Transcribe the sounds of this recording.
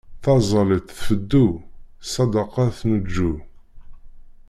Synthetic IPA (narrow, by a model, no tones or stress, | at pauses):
θɑzˤɑlit̪ˤθfəd̪ːusˤːɑd̪ɑqɑθməd͡ʒːu